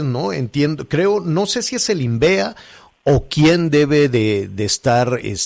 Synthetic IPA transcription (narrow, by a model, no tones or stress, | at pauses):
znoḛnt̪je̞nd̪okɾe̞o̞no̞se̞sie̞selimbe̞a | okje̞nd̪e̞βe̞ðeðest̪aɾḛs